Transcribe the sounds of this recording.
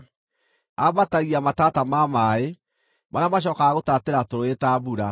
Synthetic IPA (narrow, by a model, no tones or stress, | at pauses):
amataɣiamatatamamae | manamaɕ̬ɔkaaɣotateɾatoɾoetabuɾa